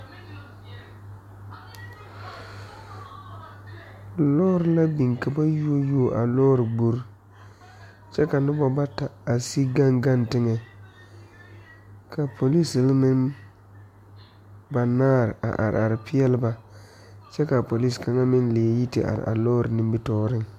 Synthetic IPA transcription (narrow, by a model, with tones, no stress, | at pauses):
lɔː˦ɾɪ˨la˦bi˨ŋka˨ba˦ju˦o˦joː˦˨ʔa˨lɔː˦ɾɪ˨ɡ͡bo˦ɾ | t͡ʃɛ˦ka˨nʊ˦bɔ˦ba˦ta˨a˨si˦ɡa˦ŋɡa˦ntɪ˦ŋɛ˨ | kʰa˨pʰo˨li˦sɪ˨lmɪ˦n | ba˨naː˦˨ɾɪ˨ʔa̰˨ʔa̰˨ɾɪ̰˨ʔa˨ɾɪ˨pɪ˦jɛ˦lɪ˦ba˦ | t͡ʃɛ˦ka˨po˨li˦ska˨ŋa˦mɪ˦nlɪ˨ɛ˨ji˦tɪ̰˨ʔa̰˨ɾɪ̰˨ʔa̰˨lɔː˦ɾɪ˨nɪ˦mbɪ˦tɔː˦ɾɪ˦ŋ